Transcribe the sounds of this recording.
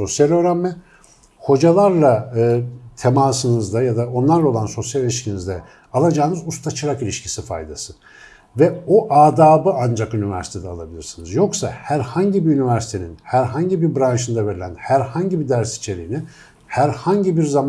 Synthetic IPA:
so̞sjalʲøːɾanmɛ | ho̞d͡ʒalˠaɾlˠaɯːt̪ʰemaːsɯnɯzd̪ajad̪ao̞nlˠaɾlˠao̞lˠanso̞sjalʲilʲiʃcʰinizd̪ɛ | alˠad͡ʒaːnɯzust̪ʰat͡ʃʰɯɾakilʲiʃcʰi̥sifa̰jd̪asɯ | vɛoʔaːd̪aːbɯand͡ʒakynivæ̰ɾsi̥t̪ʰd̪ɛalˠabilʲiɾsinɯzjo̞ksa̰hæɾhaɲɟibiynivæɾsit̪ʰe̞ninhæɾɦaɲɟibiɾbɾanʃɯnd̪ave̞ɾilʲænhæɾhaɲɟibid̪æɾsi̥t͡ʃʰe̞ɾijini | hæɾhaɲɟibiɾzam

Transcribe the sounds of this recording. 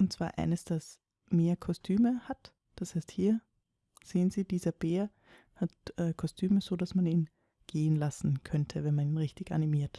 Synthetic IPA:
ʔʊnt̚t͡sv̥a̰ːɐʔa̰ɪnəsd̥as | meːɐkʰɔstʰyːməhat | d̥ashaɪsthiːɐ | z̥eːənziːdiːzɐb̥eːɐ | hatʔɛːkʰɔstʰyːməz̥oːdasmaniːn | ɡ̥eːənlasn̩kʰœntʰəvɛnmaniːnʁɪçtɪçʔa̰nimiːɐt

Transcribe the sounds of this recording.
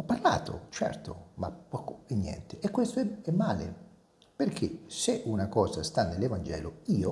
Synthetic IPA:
ɔpːarla̰ːt̪ʰo̰t͡ʃɛ̰rt̪o̰mapɔkoɛnːjɛ̰nt̪eʔekːwest̪oɛɛmːaːlḛ | perkʰeseʔunakɔːzast̪anːelːevand͡ʒɛ̰ːloiːo

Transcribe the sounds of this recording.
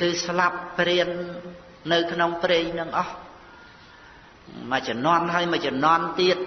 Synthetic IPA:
kɨːslapːriənː | ɨwkʰnoŋpreːɲnɨŋʔɑh | mac̚t͡ɕənŏənɦaəjmat͡ɕonŏənt̪iət̪̚

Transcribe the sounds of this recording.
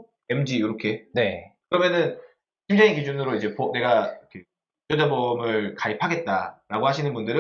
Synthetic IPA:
emd͡ʑiɯɾʌkʰe̞ne̞kɯɾʌmjʌnɯn | kind͡ʑaŋikid͡ʑunɯɾoid͡ʑe̞pone̞ɡaikʰe | t͡ɕ͈odebomɯɭkaipʰaɡe̞t̚t͈a̰ɾaɡohaɕʰinɯnbundɯɾɯ

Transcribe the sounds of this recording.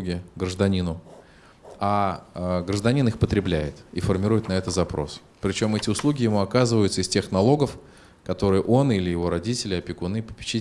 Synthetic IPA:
ɡʲɪɡɾəʐd̪ɐnʲinʊ | a | ɡɾəʐd̪ɐnʲinɨxpət̪ɾʲɪblʲæjɪt̪ifərmʲɪɾujɪt̪nɐɛt̪ət̪zɐpɾo̞̰s | pɾʲɪt͡ɕo̞mɛtʲɪʊslˠuɡʲɪjɪmuɐkazɨvəjʊt̪səɪstʲe̞xnɐlˠo̞ɡəf | kɐt̪o̞ɾɨjəʔo̞nilʲɪjɪvo̞ɾɐdʲitʲɪlʲɪɐpʲɪkʊnɨpə̥pʲɪ̥t͡ɕi

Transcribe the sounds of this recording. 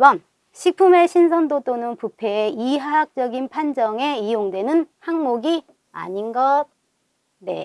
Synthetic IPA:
bʌn | ɕʰik̚pʰumeɕʰinsʰʌndot͈onɯnpupʰe̞iɦaɦak̚t͡ɕ͈ʌɡinpʰand͡ʑʌŋe̞ijoŋdwe̞nɯnhaŋmoɡi | a̰ɲinɡʌt̚ | ne̞̰

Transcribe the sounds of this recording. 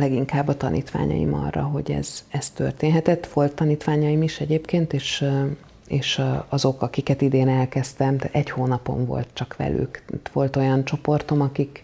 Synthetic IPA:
lɛɡiŋkaːbːɒt̪ɒnʔḭːt̪ʋa̰ːɲɒ̰jḭmɒ̰rːɒ̰ɦo̞̰ɟɛ̰z̥ɛst̪ø̞̰rt̪eːnɦɛt̪ɛt̪ːʋo̞lt̪ːɒniːt̪ʋaːɲɒimiʃɛɟeːpkeːnt̪eːʃ | eːʃɒzo̞kɒkikɛt̪id̪eːnɛlkɛst̪ɛmt̪ɛɟhoːnɒpo̞̰ɱvo̞̰lt̪̚t͡ʃɒkʋɛ̰ly̰kt̪ʋo̞lt̪o̞jɒnt͡ʃo̞po̞rt̪o̞mɒkik

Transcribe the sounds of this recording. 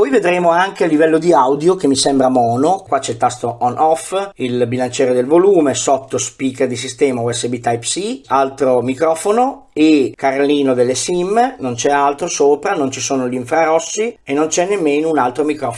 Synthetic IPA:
pɔjved̪ɾeːmoaŋkealːivɛlːod̪iawd̪jok̟emːisɛmbɾamɔːnokwat͡ʃɛilt̪ast̪oʔɔnʔɔfilbilant͡ʃɛːɾed̪elvoluːmesɔt̪ːospiːked̪isist̪ɛːmauɛsːebit̪ajpsialt̪ɾomikɾɔːfono | ekːaɾlːiːnod̪elːesimnont͡ʃɛalt̪ɾosoːpɾanont͡ʃisoːnoʎiɱfɾaɾɔsːienːont͡ʃɛnːemːeːnounalt̪ɾomikɾɔf

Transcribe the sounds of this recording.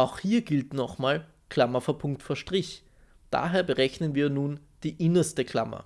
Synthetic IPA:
ʔaʊxhiːɐɡɪltnɔχmaːl | kʰl̥amɐfɔɐpʰʊŋk̚tfoːɐʃtʁ̥ɪç | d̥a̰ːɦeːɐbəʁɛçnənviːɐnuːn | d̥iːʔɪnɐstəkʰl̥a̰mɐ̰

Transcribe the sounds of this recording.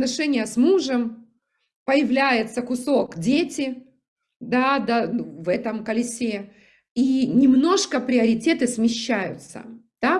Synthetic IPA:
nɐʂɛnʲɪjəsmuʐəm | pəjɪvlʲæjɪt̪səkʊso̞kdʲetʲɪ | d̪ad̪anvɛt̪əmkəlʲɪsʲe | inʲɪmno̞ʂkəpɾʲɪəɾʲɪtʲe̞t̪ɨsmʲɪɕːæjʊ̰t̪sə̰d̪̥a

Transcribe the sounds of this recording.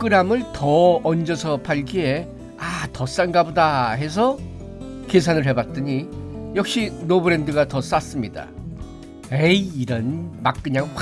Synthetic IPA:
k͈ɯɾamɯɭtʌʌnd͡ʑʌsʰʌpʰaɭɡie̞ | atʌs͈anɡabodaɦe̞s̬ʰʌ | kes̬ʰanɯɭɦe̞bat̚t͈ɯɲijʌk̚ɕ͈inobɯɾe̞ndɯɡatʌs͈as͈ɯmɲida̰ | eiɾʌnmak̚k͈ɯɲaŋ

